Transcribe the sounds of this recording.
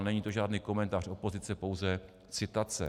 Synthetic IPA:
nɛɲiːt̪oʒaːdniːko̞mɛnt̪aːr̝o̞po̞zɪt͡sɛpo̞wzɛ | t͡sɪt̪at͡sɛ̰

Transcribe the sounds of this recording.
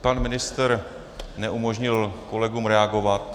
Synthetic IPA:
panmɪnɪst̪ɾ | nɛʔumoʒɲɪlko̞lɛɡuːmɾɛaɡo̞vat̪

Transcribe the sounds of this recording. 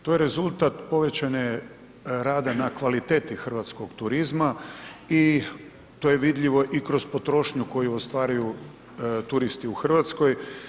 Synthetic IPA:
t̪ojeɾe̞zulˠt̪at̪po̞ʋe̞t͡ɕane | ɾaːd̪anakʋalit̪e̞ːt̪ixr̩ʋat̪sko̞ɡt̪uɾizmai | t̪oːjeʋid̪ʎiʋo̞ʔikɾo̞zpo̞t̪ɾo̞ːʃɲuko̞juost̪ʋaːɾaju | t̪uɾist̪iuxr̩ʋat̪sko̞j

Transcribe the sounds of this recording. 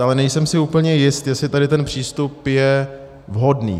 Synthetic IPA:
ʔalɛnɛjsɛmsɪuːpl̩ɲɛjɪst̪jɛslɪt̪adɪt̪ɛnpr̝̥iːst̪upjɛ | vɦo̞dnḭː

